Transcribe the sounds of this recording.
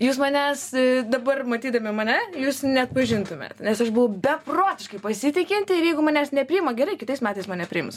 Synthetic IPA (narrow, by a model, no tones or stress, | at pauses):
juːs̬mɐnʲæːsd̪ɐbɐrmɐt̪ʲiːd̪ɐmʲɪmɐnʲɛjuːsnʲɛɐt̪̚pɐʒʲɪnt̪ʊmʲḛːt̪nʲɛsɐʃbʊʋɐʊbʲɛproːt̪ʲɪʃkɐɪpɐsʲɪt̪ʲɪkʲɪnʲt̪ʲɪɪɾjɛɪɡʊmɐnʲæːsnʲɛpʲɾʲɪɪmɐɡʲɛɾɐɪkʲɪt̪ɐɪsmʲæːt̪ɐɪsmɐnʲɛpʲɾʲɪɪms